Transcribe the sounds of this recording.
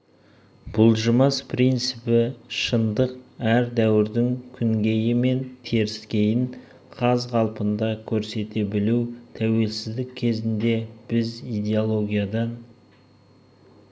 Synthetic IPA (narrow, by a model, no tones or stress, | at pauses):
b̥ʊlˠʒəmɑspʰrijnt̪sɨpɪʃənd̪əq̚æɾd̪æwɪɾd̪ɪŋkʲʰʏŋɡʲe̞jɪme̞nt̪ʰe̞ɾɪskʲe̞jɪŋ | qʰɑzʁɑlˠpənd̪ɑkʲʰɵɾse̞t̪e̞bɪluwt̪ʰæwe̞lsɪzd̪ɪkʲkʲʰːe̞zɪnd̪e̞b̥ɪzijd̪ʲe̞olˠo̞ɡʲijad̪ɑn